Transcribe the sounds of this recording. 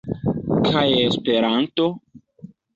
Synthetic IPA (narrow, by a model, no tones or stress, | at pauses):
kʰajespeɾanto̞